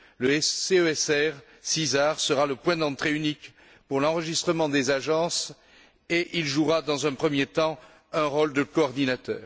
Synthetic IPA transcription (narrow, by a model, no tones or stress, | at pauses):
ləɛeøɛsɛʁ | sizaʁsəʁaləpwɛ̃d̪ɑ̃t̪χeynik | puʁlɑ̃ʁəʒist̪χəmɑ̃d̪ezaʒɑ̃s | eʔilʒuʁad̪ɑ̃zɛ̃pχəmjet̪ɑ̃ | ɛ̃ʁɔld̪əkɔːʁd̪inat̪œːʁ